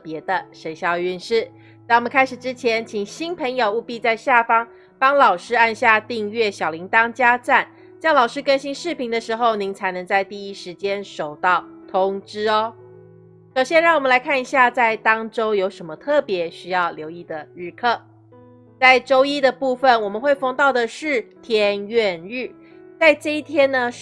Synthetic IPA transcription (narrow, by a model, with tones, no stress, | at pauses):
pjɛ˧˥d̪ə˧ʂe˧˥ɪɕjɑ˥˧ʊy˥˧nʂɻ̩˥˩ | t̪a˥˩wɔ˨mə˦ŋkʰa˥ɪʂɻ̩˨˩ʈ͡ʂɻ̩˥t͡ɕʰjɛ˧˥nt͡ɕʰi˨˩ŋɕi˥npʰə˧˥ŋjo˨ʊu˥˧pi˥˧t͡sa˥˧ɪɕja˥˩fɑ˥ŋ | pɑ˥ŋlɑ˨˩ʊʂɻ̩˥a˥˧nɕja˥˧t̪i˥˧ŋɥɛ˥˩ɕjɑ˨˩ʊli˧˥ŋt̪ɑ˥ŋt͡ɕja˥t͡sa˥˩n | ɕjɑ˥˩ŋlɑ˨˩ʊʂɻ̩˥kə˥nɕi˥nʂɻ̩˥˩pʰi˧˥ŋd̪ə˧ʂɻ̩˧˥xo˥˧ʊni˧˥ŋt͡sʰa˧˥ɪnɤ˧˥ŋt͡sa˥˧ɪt̪i˥˩i˥ʂɻ̩˧˥t͡ɕjɛ˥nʂo˨˩ʊt̪ɑ˥˩ʊt̪ʰʊ˥ŋʈ͡ʂɻ̩˥ɔ˧˦ | ʂo˨˩ʊɕjɛ˥˧nɻɑ˥˩ŋwmə˦la˧˥ɪkʰa˥˩ni˨˩ɕja˥˧t͡sa˥˩ɪt̪ɑ˥ŋʈ͡ʂo˥ʊjo˧˥ʊʂə˧˥nmə˧t̪ʰɤ˥˩pjɛ˧˥˦ɕy˥jɑ˥˩ʊljo˧˥ʊi˥˩d̪ə˩ɻ̩˥˧kʰɤ˥˩ | t͡sa˥˩ɪʈ͡ʂo˥ʊi˦˥d̪ə˨pu˥˩fə˨nwɔ˨˩mə˦nxwe˥˩ɪfɑ˥ŋt̪ɑ˥˩ʊd̪ə˨˩ʂɻ̩˥˩t̪ʰjɛ˧˥nɥɛ˥˧nɻ̩˥˩ | t͡sa˥˧ɪʈ͡ʂɤ˥˧i˥˩t̪ʰjɛ˥nnə˨